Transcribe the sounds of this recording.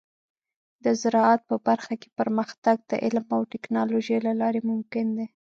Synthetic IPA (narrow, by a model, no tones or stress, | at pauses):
d̪əzɪɾɑat̪̚pəbaɾxake̥pəɾməxt̪aɡ̚d̪ə̰ʔɪ̰lmawʈɪknɑloʒejlalɑɾemʊmkɪnd̪e